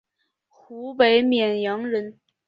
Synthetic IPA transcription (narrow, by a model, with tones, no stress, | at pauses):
xu˧˥pe˧˥ɪmjɛ˨˩njɑ˧˥ŋɻə˧˥n